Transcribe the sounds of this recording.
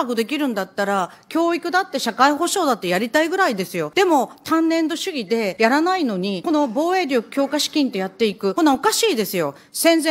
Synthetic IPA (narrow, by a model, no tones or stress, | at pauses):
aɡod̪e̞kʲiɾɯ̟̃nd̪at̪ːaɾa | kʲo̞ːikɯ̟d̪at̪ːe̞ɕakaiɦo̞ɕo̞ːd̪at̪ːe̞jaɾʲit̪aiɡɯ̟ɾaid̪e̞sɨjo̞d̪̥e̞mo̞t̪ãnːẽ̞nd̪o̞ɕɨɡʲid̪e̞jaɾanaino̞ɲ̟iko̞no̞bo̞ːe̞ːɾʲo̞kɯ̥kʲo̞ːkaɕi̥kʲĩnt̪o̞jat̪ːe̞ikɯ̟konːaokaɕiːd̪e̞sɨjo̞ | sẽ̞nzẽ